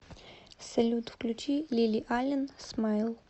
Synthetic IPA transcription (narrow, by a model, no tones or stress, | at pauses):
sɛlʲut̪wklʲut͡ʃilʲilʲiʔalʲɛnsmajlˠ